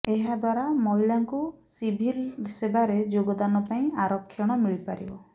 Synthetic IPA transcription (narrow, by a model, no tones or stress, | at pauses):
eɦad̪waɾamɔɦilaŋku | sibʱilsebaɾed͡ʒoɡɔd̪anɔpaĩaɾɔkʰːjɔɽ̃ɔmiɭipaɾḭbɔ